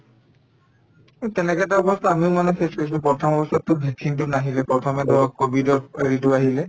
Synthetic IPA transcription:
kutɛnɛkɛtaɔbɔst̪ɔamiʊmanɛxeskojsupɹɔtʰɔmɔbɔst̪ʰɔtːʊbʱɛksint̬ʊnaɦilɛpɹɔtʰɔmɛd̪ʱɔɹɔkobʱidɔɹeɹitʊaɦilɛ

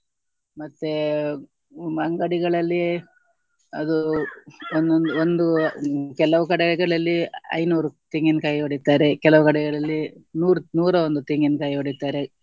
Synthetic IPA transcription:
mɐt̪ːe | ɐŋɡɐɽiɡɐɭɐlːi | ɐd̪u | onond̪uond̪ukɛlɐʋukɐɽɛɡɐɭɐlːiɐ̰jnuːɾut̪iŋɡinkɐjoɽit̪ːaːɾekɛlɐʋukɐɽɛɡɐɭɐlːinuːɾnuːɾɐond̪ut̪iŋɡinkajoɽit̪ːaːɾe

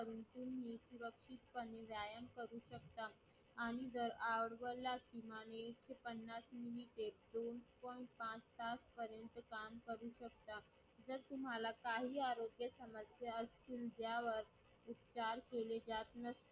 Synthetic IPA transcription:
əɾuːnt̪umɦisuɾəkʂit̪̚pəneʋjajəmkəɾuɕəkt̪aː | ɽ̃id̪əɾaʋəɽʋəlakimaneːkɕepənːasminiʈed̪onpɔj̃ɳʈ̚pãt͡st̪aspəɾjənt̪əkamkəɾuɕək̚t̪a | d͡zəɾt̪um̤alakaɦiːaɾoɡjəsəməsjaəst̪iːld͡ʑjaʋəɾ | upt͡ɕaɾkeled͡zat̪nəst̪

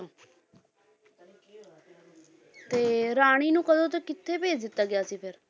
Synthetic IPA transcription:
t̪eːɾaːɽ̃iːnũːkəd̪õːt̪eːkɪt̪ʰːeːbeːd͡ʒd̪ɪt̪ːaːɡɪjaːsiːpʰɪɾ

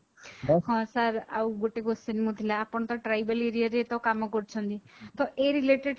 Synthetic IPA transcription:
ɦɔ̃saɾawɡoʈekosenimut̪ʰilaapɔɳ̃t̪ɔʈɾajbəleɾijaɾet̪ɔkamɔkɔɾt͡ʃʰɔnt̪it̪ɔʔeɾileʈeɖ

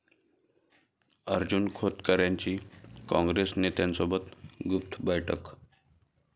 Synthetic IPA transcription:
əɾd͡ʑunkʰot̪kəɾjãɲt͡ɕiːkɔ̃ŋɡɾesnet̪jansobət̪ɡup̚t̪ʰbəjʈʰək

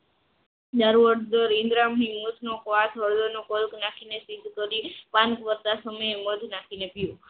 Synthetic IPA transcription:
d̪aɾuəɾd̪əɾɪ̃nd̪ɾamɦĩmut̪ʰnokʋasəɭd̪onokɔlknakʰinesid̪ʱkəɾipankʋəɾt̪asəməjeməd̪ʱnakʰinepjũ

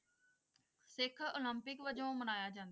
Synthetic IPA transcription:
sɪkʰoːləmpɪkʋəd͡ʒõːmənaːjaːd͡ʒãːnd̪

